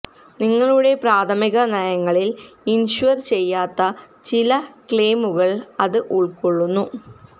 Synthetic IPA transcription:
niŋːɐɭuɽe̞praːt̪ʰɐmiɣɐnɐjɐŋːɐɭilinɕuɐrt͡ɕe̞jːaːt̪ːɐ | t͡ɕilɐkɭeːmuɣɐɭɐðɨʔuɭkoɭːunːu

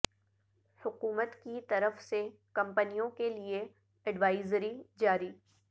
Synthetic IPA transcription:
hʊkuːmət̪kit̪ɐɾəfse | kɐ̃mpənijõkelie | ɛɖʋaːɪzɾid͡ʒaːɾiː

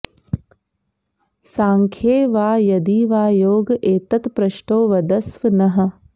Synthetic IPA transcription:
saːŋkʰjeːʋaːjɐd̪iːʋaːjoːɡʔeːt̪ɐt̪pɾɐʃʈoːʋɐd̪ɐsʋɐnɐɦɐ̆

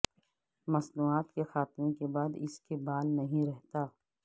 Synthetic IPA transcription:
mɐsnuːaːt̪kexaːt̪mekebaːd̪ɪskebaːlnɐɦĩɾɛɦt̪aː

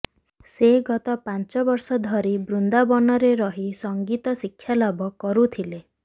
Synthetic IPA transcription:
seɡɔt̪ɔpant͡ʃɔbɔɾsɔd̪ʱɔɾibɾund̪abɔnɔɾeɾɔɦisɔŋɡit̪ɔsikʰːjalɔbɔkɔɾut̪ʰile

